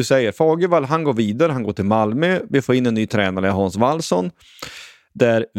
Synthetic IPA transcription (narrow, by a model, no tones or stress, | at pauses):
ɵsɛjːəɾfɑːɡəvalɦanɡoːɾviːd̪aɾəɦanɡoːʈʰɪlmalmœvɪfoːɾɪnːɛnːyːt̪ʰɾɛːnaɾəjɦɑnsvalːsɔn | d̪æɾ